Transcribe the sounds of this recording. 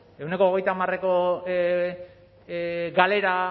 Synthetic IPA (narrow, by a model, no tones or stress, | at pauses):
e̞wne̞ko̞ːɣejt̪aːmare̞ko | ɡale̞ɾa